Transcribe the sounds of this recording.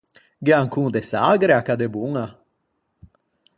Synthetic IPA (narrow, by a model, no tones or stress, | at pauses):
ɡeaŋkuŋd̪esaɡɾeakad̪ebuŋa